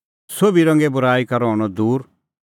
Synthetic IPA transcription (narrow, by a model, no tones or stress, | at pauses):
sobiɾɐ̃ŋɡebʊɾaːikɐɾɔɦɔɽ̃ɔd̪uːɾ